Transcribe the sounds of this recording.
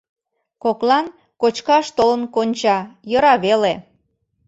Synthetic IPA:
koklɑn | kot͡ɕkɑʃt̪olənkonʲt͡ɕɑjɤɾɑβele

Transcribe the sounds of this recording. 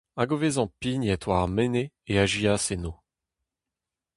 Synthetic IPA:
aɡovezɑ̃pinɛt̪waʁmeneːaʒiaseno

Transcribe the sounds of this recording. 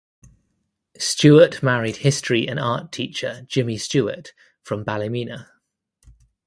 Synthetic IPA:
st͡ʃʉːəʔmaɹɪd̥hɪstɹ̥iə̰̃nɑˑtʰiˑt͡ʃəd͡ʒɪmist͡ʃʉːə̰t | fɹə̃mbaləmiːnə

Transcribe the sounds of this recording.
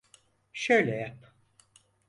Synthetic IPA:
ʃøjlʲɛjap

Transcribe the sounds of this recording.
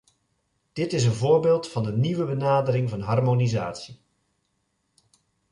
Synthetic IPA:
d̥ɪtɪs̬ənvʊːɹbɪːlˠtfɑndəniʋəbənaːdərɪŋvɑnɦɑrmoniza̰ːtsi

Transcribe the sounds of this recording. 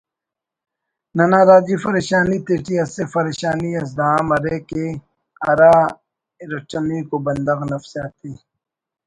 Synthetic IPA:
nɐnaːɾaːd͡ʑifɐɾeːɕaːniːt̪eːʈiɐsefɐɾeːʃaːniɐs̬d̪aːamɐɾeːke | ɐɾaː | ɾɐt͡ʃɐnikobɐnd̪ɐɣnɐfsaːt̪iː

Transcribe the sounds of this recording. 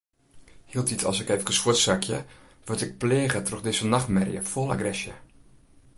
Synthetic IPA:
hiəlˠtitʰɑ̰lˠsɪkɛfɡəsʋʊətsakʰjə | ʋəɹtɪk̚pleːɣətroxdɪsənaxmɛrjə̰folˠa̰ɡrɛsjə

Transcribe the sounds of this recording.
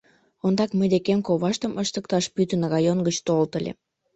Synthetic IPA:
ond̪ɑkməjd̪ekemkoβɑʃt̪əmʔəʃt̪ək̚t̪ɑʃpyt̪ə̆nrɑjonɡət͡ɕt̪olt̪ə̆lʲḛ

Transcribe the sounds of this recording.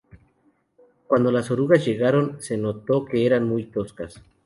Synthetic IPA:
kwand̪o̞lasoɾuɣazʝe̞ɣaɾo̞nse̞no̞t̪o̞ke̞eɾanmujt̪o̞skas

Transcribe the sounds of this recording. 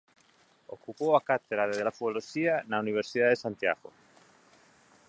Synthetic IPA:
okupowakat̪eðaðeðelafuolosianauniβ̞eɾsiðaðesant̪ja̰ɣo̰

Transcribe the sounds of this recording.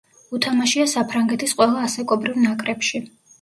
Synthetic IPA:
ut̪ʰamaʃiasapʰɾaŋɡɛt̪ʰisqʼwɛlˠaːsɛkʼɔbɾivnakʼɾɛpʃi

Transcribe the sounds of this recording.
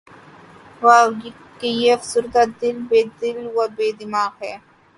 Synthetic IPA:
wa | kejeɐfsuɾt̪ad̪ɪlbeːd̪ɪlwabeːd̪ɪmaːɣɦɛː

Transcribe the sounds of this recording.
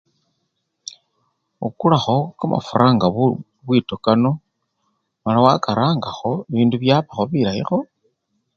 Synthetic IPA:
ukulaxo̞kama̰fuɾʔaːŋɡa | βwitokano̞ | malawakaɾaːŋɡaxo̞iβiːnduβjaːβaxo̞βiɾaḭxo̞

